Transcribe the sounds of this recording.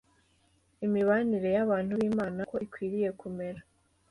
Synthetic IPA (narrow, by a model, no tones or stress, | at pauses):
imiβaniɾe̞jaβaːn̥huβiːmaːnako̞ikwiːɾije̞kume̞ɾa